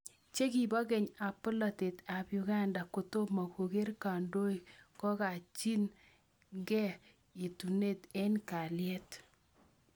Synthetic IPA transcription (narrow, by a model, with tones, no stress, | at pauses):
t͡ʃe˦ki˨bɔ˦ke˨ɲa˨pʊ˦lɔ˨te˨ta˨bju˨ɡa˦nda˨ko˨to˦ma˨ko˨ɡe˦rka˨ndo˦ikɔ˦ka˨t͡ʃi˦n | ɡɛ˦ | i˨tu˨ne˦te˦nka˨ljɛ˦t